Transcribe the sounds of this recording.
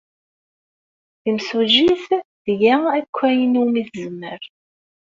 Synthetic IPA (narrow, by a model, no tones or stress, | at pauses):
θimsuʒiθðjæækʷːæjənumiθəzəmːəɾ